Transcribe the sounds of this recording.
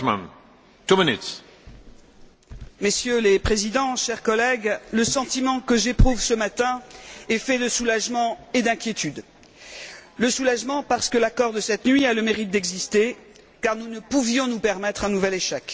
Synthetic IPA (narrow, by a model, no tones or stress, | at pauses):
mɛ̰n | t̪ominit̪ | mesjølepχezid̪ɑ̃ʃɛʁkɔlɛɡləsɑ̃t̪imɑ̃kəʒepχuvsəmat̪ɛ̃ɛfɛd̪əsulaʒmɑ̃ed̪ɛ̃kʲjet̪yd̪ | ləsulaʒmɑ̃paʁsə̥kəlakɔʁd̪əsɛt̪nɥialəmeʁit̪̚d̪ɛɡzist̪e | kaʁnunəpuvjɔ̃nupɛʁmɛt̪χɛ̃nuvɛleʃɛk